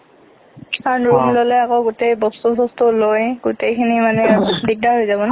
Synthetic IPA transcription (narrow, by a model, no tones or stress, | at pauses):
aɹnɹumlolɛakɔɡutejbɔstubɔstulojɡutejkʰinimanɛdik̚daɦojzabɔna